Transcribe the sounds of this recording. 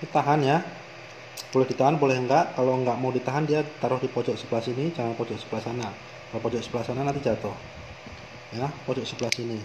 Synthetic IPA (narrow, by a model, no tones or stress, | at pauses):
it̪aɦanja | b̥olɛhd̥it̪aɦanbolɛhəŋɡaʔkaloəŋɡaʔmawdit̪aɦandiat̪aɾʊhdipɔd͡ʒɔʔsəbəlasinid͡ʒaŋanpɔd͡ʒɔʔsəbəlasana | kalopɔd͡ʒɔʔsə̥bəlasananant̪id͡ʒat̪ʊh | japɔd͡ʒɔʔsəbəlasini